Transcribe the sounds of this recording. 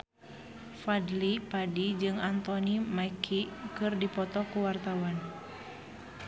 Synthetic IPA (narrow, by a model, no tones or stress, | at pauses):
fadlipadid͡ʒɨŋant̪ɔnimaikʰikɨrdipɔt̪ɔkuwart̪awan